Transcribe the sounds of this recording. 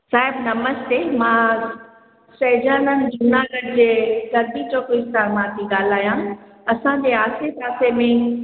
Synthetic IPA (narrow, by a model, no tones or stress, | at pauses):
saːɦɪbnɐməst̪eːmãː | sɐːd͡ʑaːnənɪ̆dʊnaːɡəɽd͡ʑeːkɐɾd̪it͡ɕoːkɪst̪aɾmãːk̪ʰiɡaːl̤aːjã | ɐsãɲd͡ʑeːaːsesaːsemẽ